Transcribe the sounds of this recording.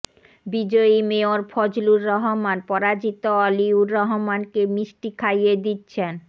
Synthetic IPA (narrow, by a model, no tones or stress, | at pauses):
bid͡ʑoimeoɾfʰɔd͡ʑluɾːɔɦomanpɔɾad͡ʑit̪oɔliuɾːɔɦomankemɾiʃʈikʰajed̪itːɕʰen